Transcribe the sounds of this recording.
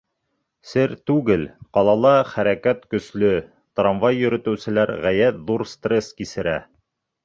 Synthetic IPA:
sɘɾt̪ʉɡɘlqɑlˠɑlˠɑχæɾækæt̪kɵ̆slɵ | t̪rɑnvɑjːɵ̆ɾɘ̆t̪ɘ̆wsɘ̆læɾʁæjæt̪ðuɾst̪reskisɘ̆ɾæ̰

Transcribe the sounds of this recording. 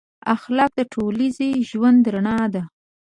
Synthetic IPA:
axlɑk̚d̪əʈʰolizeʒwand̪ɾaɳɑd̪a

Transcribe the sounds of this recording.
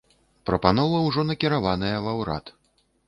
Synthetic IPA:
pɾɐpanɔvɐwʐɔnɐkʲiɾavanɐjɐvawɾa̰t̪

